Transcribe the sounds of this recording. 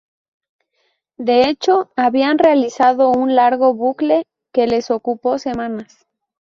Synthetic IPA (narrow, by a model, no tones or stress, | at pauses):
d̪e̞e̞t͡ʃo̞aβianrealisaðo̞unlaɾɣo̞βukle̞ | ke̞le̞so̞kupo̞se̞mãnas